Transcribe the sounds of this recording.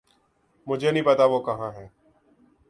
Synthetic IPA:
mʊd͡ʒʱeːnĩːpət̪aːʋoːkəɦãːɦɛː

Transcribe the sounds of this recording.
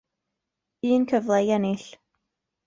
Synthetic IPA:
iːnkʰəvlˠɛjɛnɪɬ

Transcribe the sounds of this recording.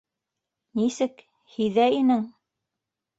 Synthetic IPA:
nisɘk | hiðæinɘŋ

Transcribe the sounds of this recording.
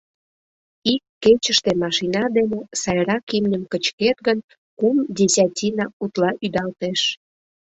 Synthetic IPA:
ikːet͡ɕəʃt̪emɑʃinɑd̪enesɑjɾɑkimnʲəmkət͡ɕket̪ɡən | kumdʲesʲatʲinɑut̪lɑʔyd̪ɑlt̪eʃ

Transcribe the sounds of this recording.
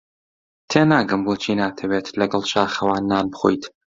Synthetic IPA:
t̪ʰeːnaːɡɨmboːt͡ʃʰinaːt̪ʰɐweːt̪lɐɡɐlˠʃaːxɐwaːnːaːnbɨxo̰jt̪

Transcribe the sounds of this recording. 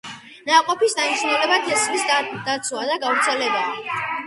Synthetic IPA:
naqʼɔpisd̪anit͡ʃʰnɛlɛbat̪ʰɛsχlisd̪̥at̪sʰuad̪aɡavɾt̪sʰɛlɛba

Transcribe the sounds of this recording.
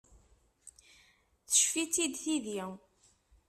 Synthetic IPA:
θə̥ʃfit͡sːid̪θiði

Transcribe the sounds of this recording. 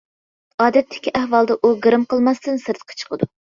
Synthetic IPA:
ɑːd̪ɛt̪ʰːɪ̥kʲiʔæhwɑlˠd̪ɑʔuɡɨɾɨmqəlˠmɑst̪ɨnsɨɾt̪qʰɑ̥t͡ʃʰə̥qʰəd̪u

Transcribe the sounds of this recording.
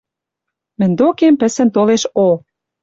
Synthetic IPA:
mɘ̆nʲd̪okempə̆sə̆nt̪oleʃo

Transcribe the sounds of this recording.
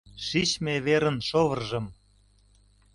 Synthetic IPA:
ʃit͡ɕmeβeɾənʃoβərʒɤ̆m

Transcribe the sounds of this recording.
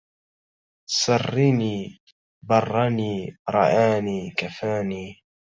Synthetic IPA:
sɑrːiniː | bɑrˤːɑniːɾˤɑ̰ʔaːniːkafaːniː

